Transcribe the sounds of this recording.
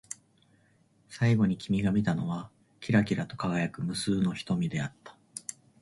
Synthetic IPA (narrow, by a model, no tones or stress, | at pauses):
saiɡo̞ɲ̟ikʲimʲiɡamʲit̪ano̞β̞a | kʲiɾakʲiɾat̪o̞̥kaɡajakɯ̟mɯ̟sɨːno̞çi̥t̪omʲid̪e̞at̪ːḁ